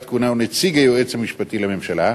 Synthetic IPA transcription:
t̪kunaunet͡siɡajoʔet͡shamiʃpat̪ilamemʃala

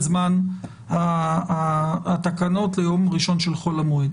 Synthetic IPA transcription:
zman | aaːt̪akano̞tlejo̞mʁiʃo̞nʃelχo̞lamoid

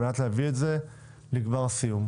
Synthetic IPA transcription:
atlɛaviɛtzɛ | liɡvaʁsijum

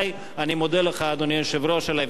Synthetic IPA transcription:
j | animod̪eleχad̪onieʃevɾoʃela

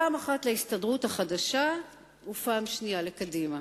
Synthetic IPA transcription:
aːmaχatlehistadʁuthaχadaʃa | upaːmʃnijalekadima

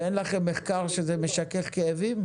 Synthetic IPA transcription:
enlaχemːeχkaʁʃezemeʃakeχkeevim

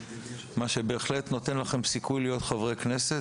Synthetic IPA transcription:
maʃe̞be̞ːχle̞t̪no̞t̪e̞nlaχe̞msikujlijo̞t̪χavʁejkne̞se

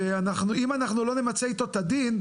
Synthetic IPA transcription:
eanaχnuimanaχnulo̞ne̞mat͡se̞it̪o̞t̪ad̪in

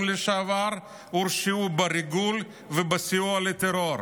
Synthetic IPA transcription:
leʃaavaɾ | uɾʃiubaɾiɡul | vebasiualet̪eɾoɾ

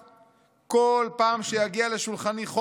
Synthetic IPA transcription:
kolpaːmʃejaɡiale̞ʃulχaniχo

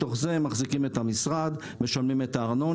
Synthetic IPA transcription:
t̪o̞χze̞maχzikime̞t̪hamisʁad̪ | me̞ʃalmimetaːʁno̞

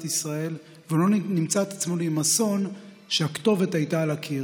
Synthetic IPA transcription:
t̪isʁae̞l | veulo̞nimt͡saet̪at͡smonuimaso̞n | ʃeakt̪o̞ve̞t̪hajtaːlakʰi

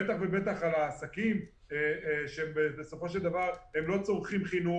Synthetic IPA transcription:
et̪aχvebe̞t̪aχalaːsakim | eʃembebeso̞fo̞ʃ̬eld̪avaʁhemlo̞t͡so̞ʁχimχinu

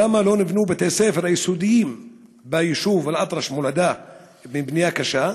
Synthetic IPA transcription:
lamːalo̞nibnubet̪esefeɾajisud̪ijimbajiʃuvalʔat̪ɾɑʃmolad̪a | mibnijakaʃa

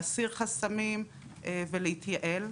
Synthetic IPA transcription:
siʁχasamim | ʔeveleit̪jaʔe̞l

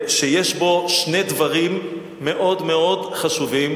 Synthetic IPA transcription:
ʃejeʃbo̞ʃne̞dvaʁimː | e̞ʔo̞dmeo̞dχaʃuvim

